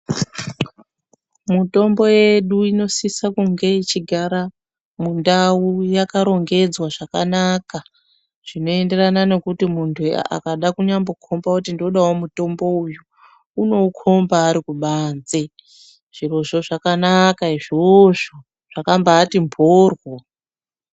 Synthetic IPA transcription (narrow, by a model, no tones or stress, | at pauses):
muto̞mbo̞je̞ɗuino̞sisakuŋɡe̞it͡ʃiɡʱaɾa | mundaujakaɾo̞ŋɡe̞d͡zwaʐakanaːka | ʐ̥ino̞e̞nde̞ranane̞kutimuntʰṵa̰kaɗakuɲambo̞kʰo̞mbakutindo̞ɗawomuto̞mbo̞uju | uno̞kʰo̞mbaːɾikuɓaːnd͡ze | ʐ̥iro̞ʐo̞ʐakanakaiʐoʐo | ʐ̥akambaːtimbʰʱorwo